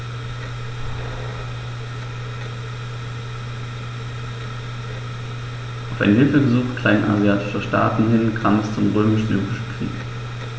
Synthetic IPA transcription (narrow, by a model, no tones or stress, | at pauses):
ʔʔaʊfʔa̰ɪnɦɪlfəɡəzuːχtkʰl̥aɪna̰zjaːtɪ̥ʃɐʃta̰ːtn̩hɪnkʰaːmɛst͡sʊmʁøːmɪʃjyːʁɪʃn̩kʁ̥ḭːk